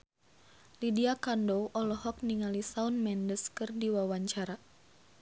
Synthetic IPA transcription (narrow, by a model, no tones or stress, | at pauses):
lidiakandoʔɔlɔɦɔk̚niŋalisaunmɛndəskɨrdiwawaɲt͡ʃaɾa